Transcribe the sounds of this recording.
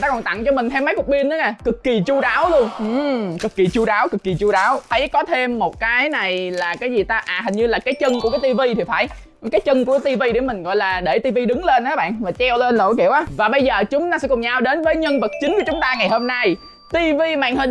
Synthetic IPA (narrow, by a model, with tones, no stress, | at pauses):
taː˧kɔ˨˩nt̪a̰˧˨ŋt͡ɕɔ˧mï˨˩ŋ̟t̪ʰɛ˧mːə˨˦jkʊ˨˩k͡p̚ɓi˧ənʔə˨˦na˨˩kɨ˨˩kːi˨˩t͡ɕu˧ɗaː˨˦wlu˧əŋʔɨ˧˩kɨ˨˩kːi˨˩t͡ɕu˧ɗaː˨˦wkɨ˨˩kːi˨˩t͡ɕu˧ɗaː˨˦wt̪ʰə˨˦jkɔ˨˦t̪ʰe˧mːo˨˩t̚kaː˨˦jna˨˩jlaː˨˩kaː˨˦jzi˨˩t̪aː˧ʔaː˨˩ɦï˨˩ŋ̟ɲɨ˧laː˨˩kaː˨˦jt͡ɕə˧ŋku˨˧˩əkaː˨˦jt̪i˧vi˧t̪ʰi˨˩faː˧˩j | kaː˨˦jt͡ɕə˧nku˧˩ət̪i˧vi˧ɗe˧˩mï˨˩ŋ̟ɣɔ̰˧˨jlaː˨˩ɗe˧˩t̪i˧vi˧ɗɨ˨˦ŋle˧nʔaː˨˦ɓa̰ː˧˨nvaː˨˩t͡ɕɛ˧wle˧nlo̰˧˩˦jki˧˨əwʔaː˨˦vaː˨˩ɓə˧jzəː˨˩t͡ɕʊ˨˦ŋ͡mt̪aː˧sɛ̰˧˥kʊ˨˩ŋ͡mɲaː˧wɗe˨˦nvəː˨˦jɲə˧nvə˨˩t̚t͡ɕï˨˦ŋ̟ku˧˩ət͡ɕʊ˨˦ŋ͡mt̪aː˧ŋa˨˩jho˧mna˧j | t̪i˧vi˧ma̰ː˧˨nhə˨˩